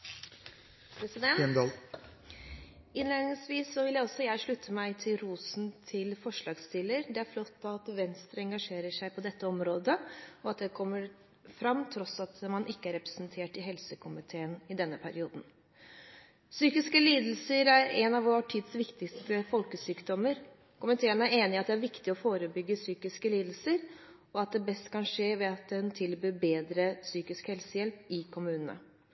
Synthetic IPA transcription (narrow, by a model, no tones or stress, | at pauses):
pʰɾɛsɪd̪ɛnnl | ɪnleːnɪŋsʋiːsːɔʋɪljæɪɔsːɔjæɪʂɭʉt̪ʰːəmæɪt̪ʰɪlɾuːsn̩t̪ʰɪlfɔʂɭɑːɡst̪ɪləɾd̪ɛæɾflɔt̪ːɑt̪ʋɛnst̪ɾəɛŋɡɑʂeːɾəʂæɪpʰɔd̪ɛt̪ːəɔmɾoːd̪əɔɑt̪̚d̪ɛkʰɔmːəɾ | fɾɑmːt̪ʰɾɔsɑt̪mɑnʔɪkːəæɾɛpɾɛsnt̪ʰeːʈɪɦɛlsəkʰʊmɪt̪ʰeːənɪd̪ɛnːəpʰæɾɪuːd̪n̩ | syːkɪskəliːd̪l̩səɾæɾɛnɑʋoʈʰiːd̪sʋɪkt̪ɪkst̪əfɔlkəsyːkd̪ɔməɾ | kʰʊmɪt̪ʰeːənæɾeːnɪɑt̪̚d̪ɛæɾʋɪkt̪ɪɔfoːɾəbʏɡːəsyːkɪskəliːd̪l̩səɾ | ɔɑt̪̚d̪ɛbɛst̪kʰɑnʂeːʋɛɑt̪̚d̪ɛnt̪ʰɪlbyːbeːd̪ɾəsyːkɪskhɛlsəjɛlpɪkʰʊmʉːnənə̰